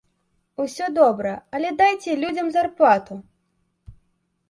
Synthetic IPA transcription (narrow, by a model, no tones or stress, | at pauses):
usʲɔd̪ɔbɾɐɐlʲɛd̪ajt͡sʲɛlʲud͡zʲɐmzarplˠat̪u